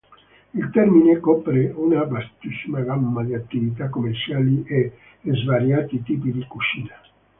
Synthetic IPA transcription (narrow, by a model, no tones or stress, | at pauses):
ilt̪ɛrminekɔpɾeunabast̪isːimaɡamːad̪iat̪ːivit̪̬akːomːert͡ʃaːliʔe | lezvaɾjaːt̪it̪iːpid̪ikut͡ʃiːna